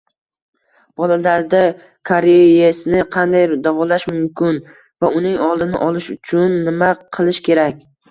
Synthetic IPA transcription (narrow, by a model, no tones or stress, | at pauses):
b̥ɒlalaɾd̪a | kʰaɾejesnɪqʰɑnd̪ajd̪avɒlaʃmʊmkʲʰɪn | vaʊnɪŋɒlˠd̪ɪnɪʔɒlɪʃʊt͡ʃʰʊnːɪmaqʰɨlˠɪʃkʲʰe̞ɾakʲ